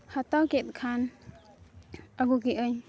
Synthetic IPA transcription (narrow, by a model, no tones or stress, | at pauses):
hat̪awkɛt̪̚kʰan | aɡukiʔəɲ